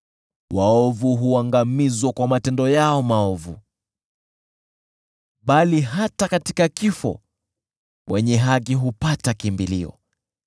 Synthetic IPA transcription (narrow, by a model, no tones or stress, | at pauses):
waɔvuɦuaŋɡamizwakwamatɛndɔjaɔmaɔvṵ | ɓaliɦatakati̥kakifɔ̰ | wʔɛɲɛɦakiɦupatakimbiliɔ̰